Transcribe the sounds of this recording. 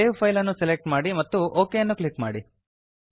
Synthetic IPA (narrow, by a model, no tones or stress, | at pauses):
eːʋpʰɐjlɐnːuselek̚ʈmaːɽimɐt̪ːuʔoːkejɐnːuklikma̰ːɽi